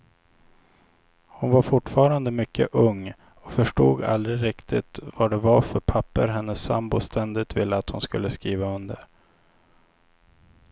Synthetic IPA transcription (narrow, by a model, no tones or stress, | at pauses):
hʊnvaɾfʊʈfɑːɾand̪əmʏkʰːə̰ʔɵŋː | ɔfœʂʈoːɡa̰ld̪ɾɪɾɪkt̪ʰɪt̪vaɖɛvaɾfœɾpʰapːəɾɦɛnːəsːa̰mbʊst̪ʰɛnd̪ɪt̪vɪlːəat̪hʊnskɵlːəskɾiːvaɵnd̪əɾ